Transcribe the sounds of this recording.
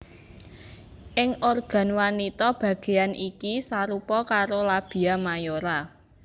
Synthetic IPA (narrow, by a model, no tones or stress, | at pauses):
ʔɪŋʔorɡ̥a̤nwanit̪ɔb̥ä̤ɡ̥e̤anikisaɾupɔkaɾolab̥i̤amajoɾa